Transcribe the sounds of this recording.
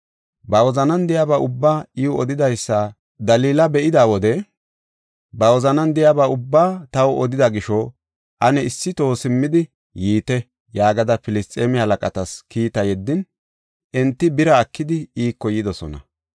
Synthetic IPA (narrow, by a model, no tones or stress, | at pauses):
bɐwɔzɐnɐnd̪ɪjabaʊbːaːɪwʊɔd̪ɪd̪ɐjsːɐ | d̪ɐliːlɐbɛʔɪd̪aːwɔd̪ɛ | bɐwɔzɐnɐnd̪ɪjabaʊbːaːt̪ɐwɔd̪ɪd̪ɐɡɪʃɔ | ʔɐnɛɪsːɪt̪o̞ːsɪmːɪd̪ɪ | jiːt̪ɛ | jaːɡɐd̪ɐpɪlɪst̪ʼeːmɪhɐlɐkʼɐt̪ɐskiːt̪ɐjɛd̪ːɪn | ʔɛnt̪ːɪbɪɾɐːkːɪd̪ɪiːkːɔjɪd̪ɔsɔ̰nɐ̰